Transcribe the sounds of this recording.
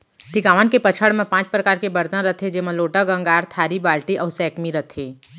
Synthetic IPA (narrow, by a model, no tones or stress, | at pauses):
ʈ̪ɪkaːʋankepət͡ʃʰəɽmẽpãːt͡ʃpɾəkaːɾkebɐɾd̪ãɾɐt̪ʰed͡ʒɪmẽloːʈəɡə̃ŋɡaːɾt̪ʰaːɾibaːlʈiʔɔːsɛːkmiɾɐt̪ʰeː